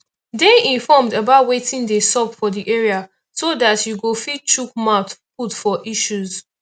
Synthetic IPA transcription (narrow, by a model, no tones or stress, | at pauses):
deĩɱfɔmdabaʊtwetɪ̃ndesɔpfɔdiʔeɹia | sodatjuɡofid̚t͡ʃuk̚matputfɔʔiʃuz